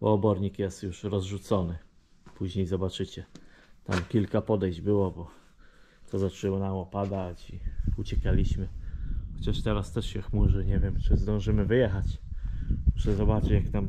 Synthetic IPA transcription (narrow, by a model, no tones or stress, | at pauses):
bɔ̰ːbɔɾɲikjɛst̪juʂɾɔzʐut̪sɔnɘ | puʑɲejzɔbat͡ʂɘt͡ɕɛt̪a̰mkʲilkapɔd̪ɛjʑd͡ʑbɘwɔbɔ | t̪ʰɔzat͡ʂɛwɔnamɔpad̪at͡ɕiut͡ɕɛkalʲiɕmɘxɔt͡ɕaʂt̪ɛɾast̪ɛʂɕɛxmuʐɘɲɛvʲjɛmt͡ʂɘzd̪ɔ̃w̃ʐɘmɘvɘjɛxat͡ɕ | muʂɛzɔbat͡ʂɘt͡ɕjakt̪am